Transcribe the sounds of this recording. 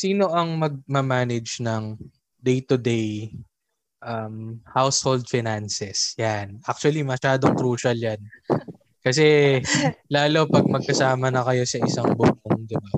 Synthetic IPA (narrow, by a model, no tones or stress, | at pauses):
siːno̞ʔɐŋmɐɡ̚mɐmaːnɪd͡ʒnɐŋ | d̪ejt̪ʊd̪ej | ʔɐmhawshold̪̚fɪnansɛsjanʔak̚t͡ʃʊɐlimɐʃaːd̪o̞ŋkɾuːʃɐljan | kɐs̬ɛ | laːlo̞pɐɡ̚mɐɡ̚kɐsaːmɐnɐkɐjo̞sɐʔɪsaŋbʊʔoŋd̪ɪba